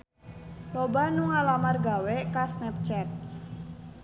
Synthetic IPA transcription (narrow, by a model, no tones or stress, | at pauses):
lobanuŋalamarɡawekasnɛp̚t͡ʃɛt̪̚